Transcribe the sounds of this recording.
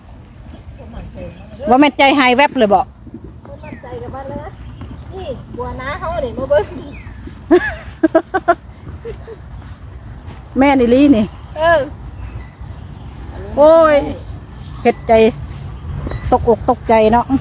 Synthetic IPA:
bɔː˧˦mɛː˧˨nt͡ɕa˧˩jɦa˧˩jwɛ˦˧˥p̚lɤː˧˩jbɔ˧˨ʔ | ɔ˧˦ma˧˩nt͡ɕa˨˩jka˨˩baː˧˥˨lɤː˧˥iː˧˩ku˨ɐ˨naː˧˥hʰa˧˥˨wna˨˩˨ma˧˦bɤ˧˥˧ | mɛː˧˩ni˧˩liː˧˥˨ni˧˩ʔɤː˧˩ | ʔoː˧j | he˧˩t̪̚t͡ɕa˨˩j | t̪o˧k̚ʔo˧˩k̚t̪o˧k̚t͡ɕa˨jnɔ˧˥ʔ

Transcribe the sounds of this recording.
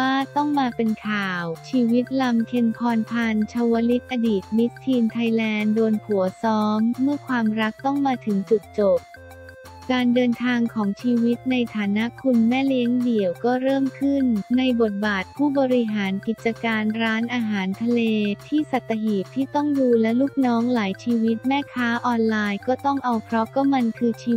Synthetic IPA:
waː˥˩t̪ɔ˥˩ŋmaː˧pe˧nkʰaː˨˩wt͡ɕʰiː˧wi˦˥t̪̚la˧mkʰe˧npʰɔː˧np̪ʰa˧nt͡ɕʰa˧wa˦˧˥li˦˥t̪̚ʔa˧diː˨˩t̪̚mi˦˥t̪ʰːiː˧nt̪ʰa˧jlɛː˧ndoː˧nkʰu˩˦ɐsɔː˦˥mːɯ˥˩ɐkʰwaː˧mɾa˦˥k̚t̪ɔ˥˩ŋmaː˧t̪ʰɯ˩˦ŋt͡ɕu˨˩k̚t͡ɕo˨˩p̚ | kaː˧ndɤː˧nt̪ʰaː˧ŋkʰɔː˩˦ŋt͡ɕʰiː˧wi˦˥t̪̚na˧jt̪ʰaː˩˦na˦˥kʰu˧nmɛː˥˩li˦˥əŋdi˨˩əwkɔː˥˩ɾɤː˥˩mkʰɯ˥˩nːa˧jbo˨˩t̪̚baː˨˩t̪̚pʰuː˥˩bɔː˧ɾi˧ɦaː˩˦nki˨˩t̪̚t͡ɕa˧kaː˧nɾaː˦˥nʔaː˧ɦaː˩˦nt̪ʰa˧leː˧t̪ʰiː˥˩sa˨˩t̪ʰːa˧ɦiː˨˩t̪ʰːiː˥˩t̪ɔ˥˩ŋduː˧lɛ˦˥luː˥˩k̚nɔː˦˥ŋlaː˩˦jt͡ɕʰiː˧wi˦˥t̪̚mɛː˥˩kʰaː˦˥ʔɔː˧nlaː˧jkɔː˥˩t̪ɔ˥˩ŋʔa˧wpʰɾɔ˦˥kɔː˥˩ma˧nkʰɯː˧t͡ɕʰiː˧

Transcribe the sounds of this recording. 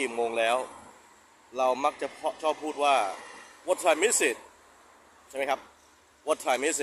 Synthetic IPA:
iː˨˩moː˧ŋlɛː˦˥w | ɾa˧wma˦˥k̚t͡ɕa˨˩pʰɔ˦˥t͡ɕʰɔː˥˩pʰːuː˥˩t̪̚waː˥˩wo˦˥t̪ʰaː˧˩jmi˦˥si˨˩t̪̚ | t͡ɕʰa˥˩ma˦˥jkʰa˦˥p̚ | wo˦˥t̪ʰaː˨˩mi˦˥si˧˩

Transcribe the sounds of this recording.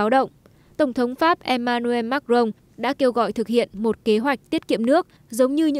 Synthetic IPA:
wɗə̰˧˨wŋ͡m | t̪ə˧˩wŋ͡mt̪ʰə˨˦wŋ͡mfaː˦˥p̚ʔɛ˧maː˧nu˧e˧maː˦˥k̚zə˧wŋ͡m | ɗa̰ː˧˥ke˧wɣɔ̰˧˨jt̪ʰɨ˨˩k̚hḭ˧˨ənmo˨˩t̚ke˨˦ɦwa˨˩jk̟̚t̪i˦˥ət̚kḭ˧˨əmnɨ˦˥ək̚ | zə˨˦wŋ͡mɲɨ˧ɲɨ̰˧˥

